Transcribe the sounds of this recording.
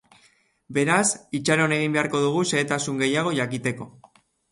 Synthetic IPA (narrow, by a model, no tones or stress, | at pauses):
be̞ɾasit͡ʃaɾo̞ne̞ɣ̞imbe̞aɾko̞ðuɣ̞use̞ːt̪asuŋɡe̞jaɣ̞o̞ʝakit̪e̞ko̞